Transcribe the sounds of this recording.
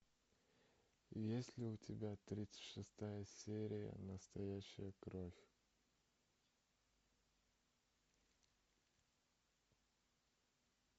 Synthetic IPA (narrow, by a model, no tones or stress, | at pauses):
jesʲlʲɪʊtʲɪbʲat̪ɾʲit̪sə̥tʲʂɨst̪ajəsʲeɾʲɪjə̰nəst̪ɐjæɕːɪjəkɾofʲ